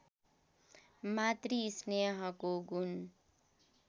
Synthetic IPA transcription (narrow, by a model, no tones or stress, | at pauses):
mat̪riːsneɦʌkoɡun